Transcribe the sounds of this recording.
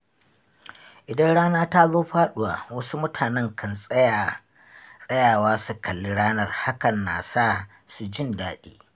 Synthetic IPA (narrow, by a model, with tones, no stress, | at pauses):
ʔɪ˨dɐ˦nɽaː˦naː˦ta˦zoː˦ɸaː˦ɗʊ˦wa˨wɐ˦su˦mʊ˦tʰaː˨nɛ˦ŋkʰɐ˨nsʼ | sʼɐ˦jaː˨waː˦su˨kʰɐ˨lːi˦ɽaː˦nɐ˦rha˦kɐ˨nːaː˨saː˦ | su˨d͡ʒɪ˦ndaː˨ɗḭː˦